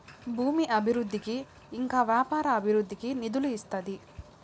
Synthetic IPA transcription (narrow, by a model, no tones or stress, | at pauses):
bʱuːmiʔɐbʱiɾud̪ʱːikiː | ŋkaːʋjaːpaːɾɐːbʱiɾud̪ʱːikinid̪uluist̪ɐd̪i